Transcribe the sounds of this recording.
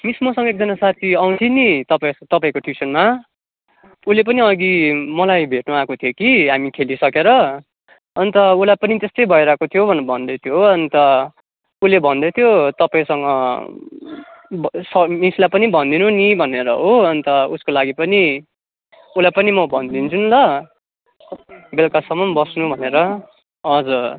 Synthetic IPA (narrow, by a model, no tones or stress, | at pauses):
mismosʌ̃ŋɡʌek̚d͡zʌnasat̪ʰiʌw̃nt̪ʰinit̪ʌpat̪ʌpaĩkoʈʰisʌnma | ulep̬ʌniʌɡimʌlajbʱeʈnuakot̪ʰijokiɦamikʰelisʌkeɾʌ | ʌnit̪ʌulajpʌnit̪est̪ʌjbʱʌiɾʌɦekot̪ʰijobʱʌnbʱʌnd̪et̪ʰjoʌnit̪ʌ | ulebʱʌnd̪et̪ʰijot̪ʌpaĩsʌŋɡʌ | sʌmislajpʌnibʱʌnd̪inunibʱʌneɾʌɦoʌnit̪ʌuskolaɡipʌni | ulajpʌnimʌbʱʌnd̪int͡sʰunlʌ | belkasʌmʌmbʌsnubʱʌneɾʌ | ʌd͡zʌ